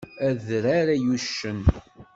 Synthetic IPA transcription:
æðɾaɾajuʃːən

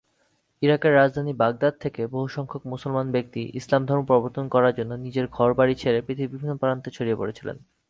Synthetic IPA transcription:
iɾakeɾːad͡ʑd̪ʱanibaɡ̚d̪ad̪̚t̪ʰekeboɦuʃɔŋkʰok̚mosolmanbek̚t̪iʔḭslamd̪ʱɔɾmpɾɔboɾt̪onkɔɾaɾd͡ʑonːonid͡ʑeɾɡʱɔɾbaɽit͡ɕʰeɾepɾit̪ʰiibibʱinːopaɾant̪ʰet͡ɕʰoɾiepoɾet͡ɕʰilḛn

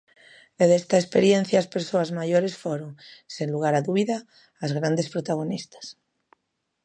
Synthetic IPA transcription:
d̪eðest̪aespeɾjen̟θjaːspeɾsoazmaʝoɾesfoɾoŋsenluɣ̞aɾaðuβiðaː | zɣɾand̪espɾot̪aɣ̞onist̪ḁs

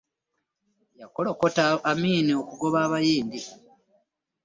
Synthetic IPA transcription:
jakolokotaːmiːniokuɡo̞βaːβajiːndi

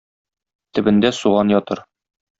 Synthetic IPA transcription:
t̪ɘ̆bɘ̆nd̪æsuʁɑnjɒt̪ɤɾ

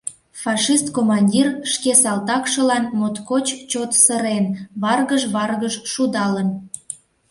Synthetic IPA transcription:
fɑʃist̪komɑnʲdʲirʃkesɑlt̪ɑkʃəlɑnmot̪kot͡ɕt͡ɕot̪səɾenβɑrɣəʒβɑrɣəʒʃud̪ɑlən

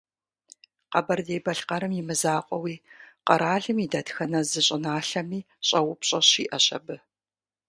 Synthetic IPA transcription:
qɐbɐrdeːbɐɬqɐɾɨmjimɨzaːqʷʼɔwiːqɐɾaːɮɨmidɐtxɐnɐzɨɕʼɪnaːɬɐmiː | ɕʼɐwʊpʰɕʼɐɕiːʔɐɕʼɐ̰bɨ

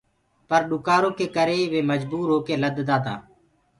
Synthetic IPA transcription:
pəɾɗʊkaːɾõːkeːkəɾeːʋeːməd͡ʒbuːɾɦoːkeːləd̪d̪aːt̪a̰ː

